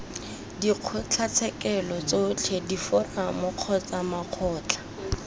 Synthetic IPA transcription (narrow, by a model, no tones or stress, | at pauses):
diq͡χʰʊt͡ɬʰat͡sʰɛkɛlɔt͡sot͡ɬʰedifʊramʊq͡χʰɔt͡samaq͡χʰɔːt͡ɬʰḁ